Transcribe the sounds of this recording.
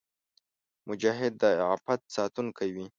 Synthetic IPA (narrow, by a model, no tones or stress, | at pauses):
mʊd͡ʒaɦɪd̪ːəɑfat̪̚sɑt̪unkʰawi